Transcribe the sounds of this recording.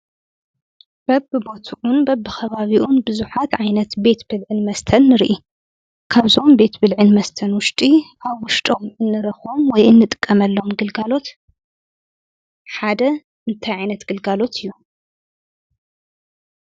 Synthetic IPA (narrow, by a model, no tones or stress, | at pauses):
b̥ɐbɨbo̞t̪ʰuʔunbɐbːɨxɐβaβiʔunbɨzuħat̪ʕajnɐt̪be̞t̪bɨlʕɨnmɐst̪ʰɐnːɨɾʔi | kʰaβzo̞mbe̞t̪bɨlʕɨnmɐst̪ʰɐnwʊʃt̪ʼiʔaβwʊʃt̪ʼo̞mɨnːɨɾɐxomwɔjɨnːɨt̪ʼɨ̥kʼːɐmɐlːo̞mɡɨlɡalo̞t̪ | ħad̪ɐ | ʔɨnt̪ʰajʕajnɐt̪ɡ̥ɨlɡalo̞t̪ʰɨjːu